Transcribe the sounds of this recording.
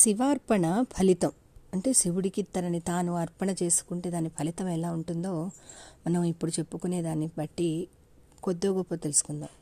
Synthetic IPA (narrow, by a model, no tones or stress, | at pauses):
siʋaːɾpɐɳɐpʰɐlit̪ɐm | ɐɳʈe̞ːsiʋuɽikit̪ːɐɾɐnit̪aːnuɐɾpɐɳɐt͡ʃe̞ːsu̥kuɳʈeːd̪aːnːipʰɐlit̪ɐmɛlaːuɳʈund̪o̞ːmɐnɐmipːuɽut͡ʃe̞pːukune̞ːd̪aːnːibɐʈːi | kod̪ːoːɡɔpːɐt̪elusu̥kund̪a̰ːm